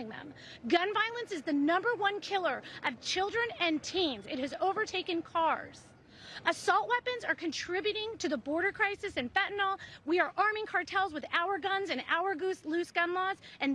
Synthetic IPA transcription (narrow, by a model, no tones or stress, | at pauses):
ɪ̃ŋðə̰̃m | ɡʌ̃nvaɪlˠə̃nsɨzðɨnʌ̃mbə˞wʌ̃nkʰɪlˠə˞ʔʌv̥t͡ʃʰɪlˠdɹɨ̃nɨ̃ntʰĩnzɨt̚hɨzoʊvə˞tʰeɪkɨ̃nkʰɑɹz̥ | ɨsɔlˠʔwɛpɨ̃nzə˞kʰɨ̃ntʰɹ̥ɪbjʉɾɪ̃ŋtʰɨðəbɔɹɾə˞kʰɹ̥aɪsɨsɨ̃nfɛʔn̩l̩ˠwiə˞ʔɑɹmɪ̃ŋkʰɑɹtʰɛlˠzwɨðaʊə˞ɡʌ̃nzɨ̃na̰ʊə˞ɡuslʉsɡ̥ʌ̃nlɔzɨ̃n